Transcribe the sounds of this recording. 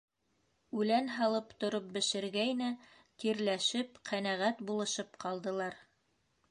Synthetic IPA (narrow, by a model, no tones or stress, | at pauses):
ʉlænɦɑlˠɤpt̪ŏɾop̚bɘ̆ʃɘ̆ɾɡæjnæ | t̪iɾlæʃɘpqʰænæʁæt̪bulˠɤ̆ʃɤpqɑlˠd̪ɤ̆lˠɑɾ